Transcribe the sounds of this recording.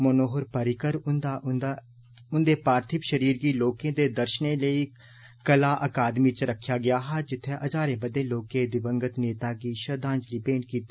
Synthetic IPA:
mənoːɦəɾpəɾɪkəɾnd̪a | ʊnd̪eːpaːɾt̪ʰɪpʃəɾiːɾɡiːloːkẽːd̪eːd̪əɾʃnẽːləiː | kəlaːʔəkaːd̪miːt͡ʃɾəkʰːjaːɡɪjaːɦaːd͡ʒɪt̪ʰːeːʔəd͡ʒaːɾẽːbəd̪eːloːkẽːd̪ɪbəŋɡət̪neːt̪aːɡiːʃəɾd̪ãːnd͡ʒliːbẽːɳɖkiːt̪e

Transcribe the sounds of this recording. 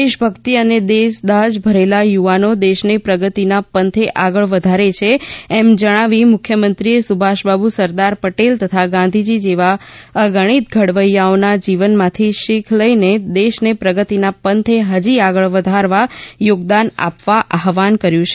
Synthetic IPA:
eʃbʱəkt̪iəned̪eʃd̪aɦd͡ʒbʱəɾelajuʋanod̪eʃnepɾəɡət̪inapənt̪ʰeʔaɡəɭʋəd̪ʱaɾet͡ʃʰeɛmd͡ʒəɽ̃aʋimʊkʰjəmənt̪ɾiesubʱaʃbabusəɾd̪aɾpəʈelt̪ət̪ʰaɡãnd̪ʱid͡ʒid͡ʒeʋaəɡəɽ̃it̪̚ɡʱəɽʋəjːaonad͡ʒiʋənmãt̪ʰiʃikʰləined̪eʃnepɾəɡət̪inapənt̪ʰeɦəd͡ʒiaɡəɭʋəd̪ʱaɾʋajoɡd̪ana̰pʋaʔaɦʋankəɾjũt͡ʃʰe

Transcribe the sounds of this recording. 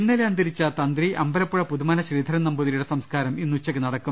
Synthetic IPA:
inːeleɐnd̪iɾit͡ɕːat̪ɐnd̪riʔɐmbɐlɐpːuɻɐpuðumaːnɐɕriːd̪ʱɐɾɐnɐmbuðɐjuɽesɐmskaːɾɐminːut͡ɕːɐkːɨnɐɽɐkːu

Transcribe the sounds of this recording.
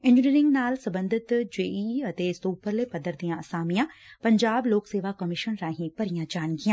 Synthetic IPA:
ɪ̃ɲd͡ʑɪniːɾɪ̃ŋɡnaːlsɐ̃bə̃nd̪ʱɪt̪d͡ʑeːiɐt̪eːsuːpəɾlepɐd̪əɾd̪ijãɐsaːmijãpɐ̃ɲd͡ʑaːbloːkseːʋakɐmɪʃənɾãːɦĩpɐɾijãd͡ʑaːɽ̃kijãː

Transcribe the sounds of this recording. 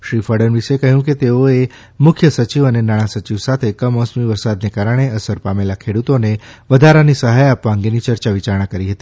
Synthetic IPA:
ʃɾifaɽənʋiʃekəɦjũket̪eoe | mʊkʰjəsət͡ʃiʋənenaɽ̃ãsət͡ʃiʋsat̪ʰekəmɔ̃smiʋəɾsad̪nekaɾəɽ̃eəsəɾpamelakʰeɽut̪oneʋəd̪ʱaɾanisəɦajapʋaəŋɡenit͡ʃəɾt͡ʃaʋit͡ʃaɾɳ̃ãkəɾiɦət̪i

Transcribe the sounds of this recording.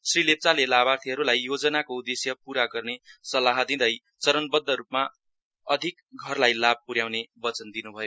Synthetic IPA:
srilep̚t͡salelabart̪ʰiɦʌɾulajːod͡zʌnakoud̪esjʌpuɾaɡʌrnesʌlaɦʌd̪id̪ʌj | t͡sʌɾʌnbʌd̪ːʌɾupma | ʌd̪ʱik | ɡʱʌrlajlab̚puɾjawnebʌt͡sʌnd̪inubʱʌjo

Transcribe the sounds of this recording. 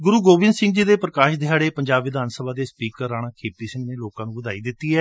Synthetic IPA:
ɡʊɾuːɡoːbɪ̃nsɪ̃ŋɡd͡ʒiːd̪eːpɾəkaːʃd̪ɪjaːɽeːpəɲd͡ʒaːbʋɪd̪aːnsəbaːd̪eːspiːkəɾːaːɽ̃aːkʰeːpiːsɪ̃ŋɡneːloːkãːnũːbəd̪aːiːd̪ɪt̪ːiːɦɛː

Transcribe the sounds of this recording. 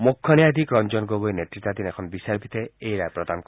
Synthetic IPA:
mukʰːɔnjad̪ikɾɔnd͡ʒɔnɡobojnet̪ɾit̪ːad̪inekʰɔnɔbisaɾbit̪eejɾajpɾɔd̪ank

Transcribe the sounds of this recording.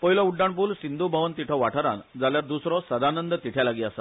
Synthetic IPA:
pəɦilauɖːaɳpuːlsind̪ʱubʱəʋənt̪iʈʰɔʋaʈʰəɾa̰nd͡zaljaɾd̪usɾɔsəd̪ʱanənd̪t̪iʈʰjalaɡiasa

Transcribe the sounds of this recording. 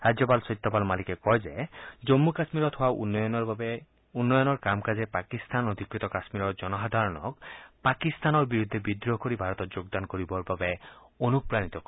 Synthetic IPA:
ɹad͡ʒɔpalsɔjt̪ːɔpalmalikɛkɔjzɛd͡ʒomːukasmiɾɔt̪howan | unːɔjɔnɔɹkamkazɛpakist̪anod̪ʱikɹit̪ɔkasmiɾɔɹd͡ʒɔnɔɦad̪ʱaɹɔnɔ̰kpakist̪anɔɹbiɹud̪ʱːebid̪ɹɔkoɹibʱaɹɔt̪ɔtd͡ʒoɡd̪ankoɹibɔɹbabɛonupɹanit̪ɔkɔ

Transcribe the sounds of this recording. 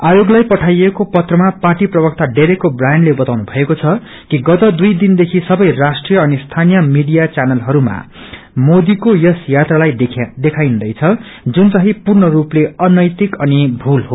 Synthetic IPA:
ajoɡlajpʌʈʰajekopʌt̪rʌmaparʈiprʌbʌk̚t̪aɖeɾekkobrajnɖlebʌt̪awnubʱʌekot͡sʰʌ | kiɡʌt̪ʌd̪ujd̪ind̪ekʰisʌbʌjrasʈrijʌʌnist̪ʰanijʌmiɽijat͡sanʌlɦʌɾuma̰ | mod̪ikojʌsjat̪ralaj̪d̪ekʰajnd̪ʌjt͡sʰʌ | d͡zunt͡sʌɦipurnʌrupleʌnʌjt̪ikʌnibʱulɦo

